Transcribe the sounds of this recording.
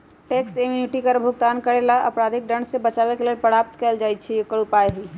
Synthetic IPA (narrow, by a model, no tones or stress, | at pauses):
ʈeksemjuniʈikəɾbʱuɡt̪ankəɾelaʔəpɾad̪ʱik̚ɖəɳɖsebət͡ʃabekelelpəɽap̚t̪keld͡ʒajt̪t͡ʃʰikəɽupajɦi